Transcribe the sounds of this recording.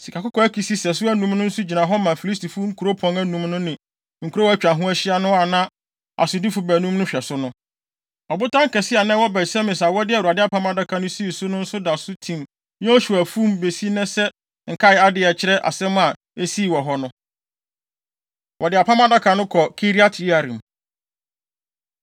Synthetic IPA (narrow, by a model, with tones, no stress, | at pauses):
si˨kʰa˨kʊ˦kʰɔ˦æ˦kʰi˨si˦sɛ˨s̬ʊ˦æ˦nũ˨˦mnʊ̃˦n̩˦sʊ˦d͡ʑi˨nã˨ɦɔ˦mã˨fi˨li˦s̬tʰi˨fu˦ŋ̩˦kʰu˨ɾo˦pʰɔ̃˨˦næ˦nũ˨mnʊ̃˦nɪ̃˨ | ŋ̩˨kʰu˦ɾo˦æ˦t͡ɕᶣã˨ɦʊ̃˦æ˦ɕɪ˦a˦nʊ̃˦a˨nã˦ | a̰˨sʊ˨di˦fʊ˨bæ˨nũ˦mnʊ̃˦ɕᶣɛ˨sʊ˦nʊ̃˦ | ɔ˨bʊ˦tʰã˦ŋ̩˦kɛ˨sɪ˦a˨nɛ̃˦wɔ˦bɛ˨sɛ˦mɪ̃˨sa˨wɔ˦dɪ˦ɛ˨a˨dɪ˦a˦pʰã˦ma˦˨da˦kʰã˨nʊ̃˦si˦i˨sʊ˦nʊ̃˦n̩˦sʊ˦da˨sʊ˦tʰĩ˨m | nɛ̃˦ɔ˦ɕu˨æ˨fũ˦mbe˨si˦nɛ̃˦sɛ˦ | ŋ̩˨kʰa˦ɪ˨˦a˦dɪ˨ɛ˨t͡ɕʰɪ˦ɾɛ˦ʔa̰˨sɛ̃˦m˦a˨ | e˦si˦˨wɔ˨ɦɔ˦nʊ̃˦ | wʔɔ˨dɪ˨a˨pʰã˦ma˦da˦kʰa˨nʊ̃˦kʰɔ˨kʰi˦ɾi˦a˦tʰa˨ɾĩ˨m